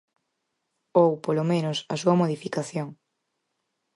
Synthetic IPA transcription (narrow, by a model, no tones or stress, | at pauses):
owpolomẽnosɐsuɐmoðifikaθjoŋ